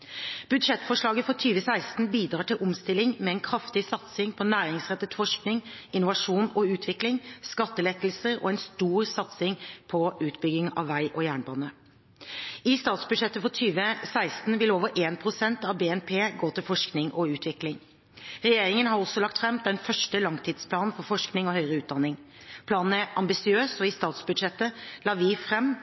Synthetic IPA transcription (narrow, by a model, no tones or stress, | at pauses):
b̥ʉd̪ʂɛt̪ːfɔʂɭɑːɡəfɔt̪ʰyːʋəsæɪst̪n̩biːd̪ɾɑːʈɪlʔʊmst̪ɪlːɪŋmɛɛnkʰɾɑft̪ɪsɑt̪sɪŋpʰɔnæːɾɪŋsʁɛt̪ːət̪fɔʂknɪŋɪnʊʋɑʂuːnɔʉːt̪ʰʋɪklɪŋskɑt̪ːəlɛt̪lsəɾɔ̰ːɛnst̪uːɾsɑt̪sɪŋpʰɔʉːt̪bʏɡɪŋɑ̰ʋːæɪʔɔjæːɳbɑːnə | ɪst̪ɑːt̪sbʉd̪ʂɛt̪ːəfɔʈ̪ʰyːʋəsæɪst̪n̩ʋɪloːʋəɾʔeːnpʰɾʊsɛnt̪ɑʋbeːɛnpʰeːɡoːt̪ʰɪlfɔʂknɪŋʔɔʉːt̪ʰʋɪklɪŋ | ɾɛjeːɾɪŋənhɑɾɔsːɔlɑkt̪fɾɛmd̪ɛnfœʂʈəlɑŋt̪ʰiːd̪spʰlɑːnn̩fɔɾfɔʂknɪŋɔhœʏɾəʉːt̪̚d̪ɑnɪŋ | pʰlɑːnn̩æʔɑmbɪsɪøːsɔɪst̪ɑːt̪sbʉd̪ʂɛt̪ːəlɑːʋɪfɾɛmː